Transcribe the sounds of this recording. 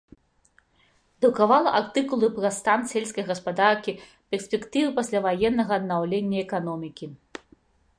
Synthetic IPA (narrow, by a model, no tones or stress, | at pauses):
d̪ukavalˠɐʔart̪ɨkulˠɨpɾɐst̪ansʲelʲsʲkɐjɣɐspad̪arkʲi | pʲɛrsʲpʲɛkt̪ɨvɨpasʲlʲavajɛnːɐɣɐːd̪nawlʲenʲːɐɛkanɔmʲikʲi